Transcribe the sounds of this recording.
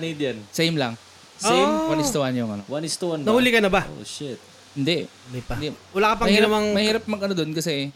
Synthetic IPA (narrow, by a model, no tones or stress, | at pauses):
ɐnid̪ɐnsejmlɐŋ | soejmwɐnɪst̪ʊʔanjʊŋɐnowɐnɪst̪uannɐhuːlɪkɐnɐbao̰ʃɪt̪̚ | hɪnd̪ɛ | d̪ipɐwɐlaːkɐpɐmɐhɡɪnɐwɐŋmɐhiːɾɐp̚mɐɡɐnod̪onkɐsɛ